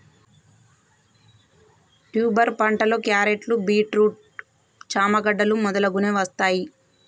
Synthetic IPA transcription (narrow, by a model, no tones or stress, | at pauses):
ʈjuːbɐɾpɐɳʈɐloːkjaːɾeʈlubiːʈɾuːʈ̚ | t͡ʃaːmɐɡɐɖːɐlumɔd̪ɐlɐɡuneʋɐst̪aːji